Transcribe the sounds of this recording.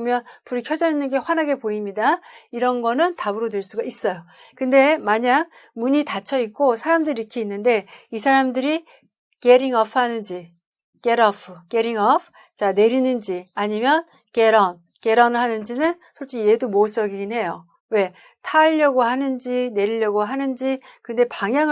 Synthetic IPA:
mjʌnpuɾikʰʌd͡ʑʌinːɯnɡe̞ɸwanɦaɡe̞poimɲidaiɾʌnɡʌnɯntabɯɾodweɭs͈uɡais͈ʌjo | kɯnde̞maɲak̚ | muɲitat͡ɕʰʌik̚k͈osʰaɾamdɯɾiikʰeinːɯnde̞isʰaɾamdɯɾi | ke̞ɾiŋʌpʰhanɯnd͡ʑi | ke̞ɾʌpʰɯke̞ɾiŋʌpʰ | t͡ɕane̞ɾinɯnd͡ʑiaɲimjʌn | ke̞ɾʌn | ke̞ɾʌnɭɦanɯnd͡ʑinɯn | sʰʌɭt͡ɕ͈ije̞dumoɭs͈ʌɡiɡinɦe̞jo | we̞ | tʰaʎːʌɡohanɯnd͡ʑine̞ɾiʎːʌɡoɦanɯnd͡ʑi | kɯnde̞paŋjaŋ

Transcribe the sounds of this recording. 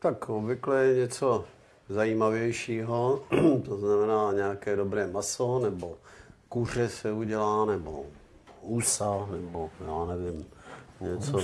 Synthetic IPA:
t̪akobvɪklɛjɛɲɛt͡so̞ | zajiːmavjɛjʃiːɦot̪oznamɛnaːɲɛakɛːdobɾɛːmasonɛbokur̝ɛsɛuɟɛlaːnɛbo̰ | usanɛbojaːnɛvɪmɲɛt͡so

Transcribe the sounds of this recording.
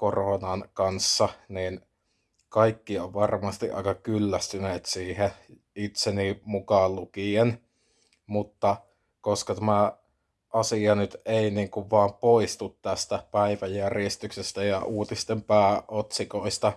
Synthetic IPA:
koronɑnkɑnsːɑniːn | kɑikːioʋʋɑrmɑst̪iʔʔɑ̰ˑikɑkylːæst̪yneːt̪siːhe | it̪senimukɑllukien | mut̪ːɑ | koskɑt̪æmæ | ʔɑsiɑnyt̪einiːŋkuʋʋɑːmpoist̪ut̪t̪æst̪æpæiʋæjjærjest̪yksest̪æjɑʔuːt̪ist̪empæːʔot̪sikoist̪ɑ

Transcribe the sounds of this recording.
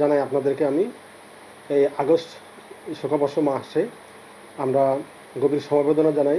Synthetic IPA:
anajapnad̪eɾkeami | ejaɡosʈ | ʃokʰabɔʃomaʃe | amɾa | ɡobiɾʃɔmabed̪onad͡ʑanaj

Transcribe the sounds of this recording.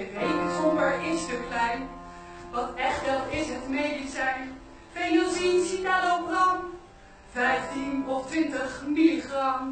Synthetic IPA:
ʋejksɔmbəɹɪsdəklɛjn | ʋɑtɛχtʋɛlˠɪsɦətmejdisɛjn | fɛjjəlˠzinsitalowprɑm | v̥ɛjftinɔftʋɪntəχmilχrɑm

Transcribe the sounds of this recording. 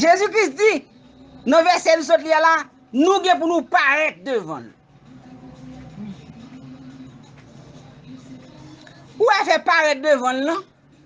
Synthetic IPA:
ʒezykʁisd͡zi | nʌ̃vɛsɛlus̬ɔt̪̬lijala | nũɡɛ̃p̬unũpaʁɛt̪̚d̪øvʌ̰̃nu | uafɛpaʁɛt̪̚d̪øvʌ̃nulʌ̃

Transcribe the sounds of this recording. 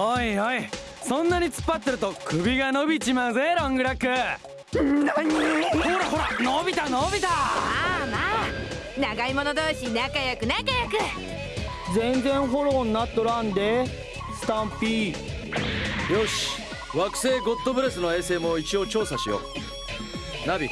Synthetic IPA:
haihai | sõ̞nːaɲ̟it͡sɨ̥pːat̪ːe̞ɾɯ̟t̪o̞kɯ̟bʲiɡanobʲit͡ɕimazeɾõŋɡɯ̟ɾakɯ̟ | hhoɾaɦo̞ɾanobʲit̪anobʲit̪a | ma | naɡaimo̞nod̪oːɕinakajokɯ̟nakajokɯ̟ | d͡zẽ̞nzẽ̞ɰ̃ɦo̞ɾo̞ːnːat̪ːoɾãnd̪e̞ | sɨ̥t̪ãmpi | jo̞ɕi̥ | βakɯ̟̥se̞ːɡo̞t̪ːo̞bɯ̟ɾesɨno̞e̞ːse̞ːmo̞it͡ɕio̞ːt͡ɕo̞ːsaɕijo̰ | nabʲḭ

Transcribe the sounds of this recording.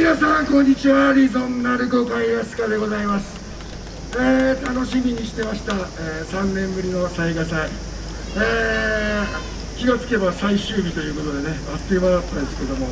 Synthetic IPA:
mʲinasãŋkõ̞ɲ̟ːit͡ɕiβaɾʲizõ̞nnːaɾɯ̟ko̞kãĩjasɨ̥kad̪e̞ɡo̞zaimasɨ̥ | eːt̪ano̞ɕimʲiɲ̟iɕi̥t̪e̞maɕi̥t̪aeːsãnːẽ̞mbɯ̟ɾʲino̞saiɡasai | eː | kʲiɡat͡sɨ̥ke̞basaiɕɨːbʲit̪o̞jɯ̟ːko̞t̪o̞d̪e̞ne̞at̪ːeβaɾat̪ːãnd̪esɨ̥ke̞d̪o̞mo̞

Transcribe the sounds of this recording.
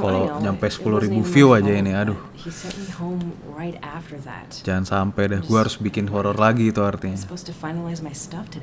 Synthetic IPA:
kaloɲampɛsə̥puluhɾibufiuad͡ʒainiadʊ | hiz̥sɛʔmihõʊ̃mɹaɪɾæftə˞ðæ̰td͡ʒaŋansampɛdɛhɡuɛaɾʊsbikɪnɦɔɾɔrlaɡiːt̪uart̪iɲaspoʊz̥tʰɨfaɪnlaɪzmaɪstʌftʰɨ

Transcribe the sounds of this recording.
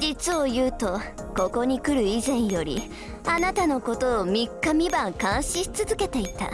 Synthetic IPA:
d͡ʑit͡sɨo̞jɯːt̪o̞ | ko̞ko̞ɲ̟ikɯ̟ɾɯ̟izẽ̞ɰ̃jo̞ɾʲḭ | anat̪ano̞ko̞t̪o̞ːmʲikːamʲibãŋkãɰ̃ɕi̥t͡sɨzɨke̞t̪e̞it̪a̰

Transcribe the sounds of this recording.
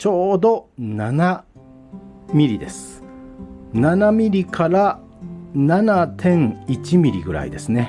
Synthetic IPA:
t͡ɕo̞ːd̪o̞nana | mʲiɾʲid̪e̞sɨ̥ | nanamʲiɾʲikʰaɾa | nanat̪ʰẽ̞ŋit͡ɕimʲiɾʲiɡɯ̟ɾa̰ḭd̪e̞sɨne̞

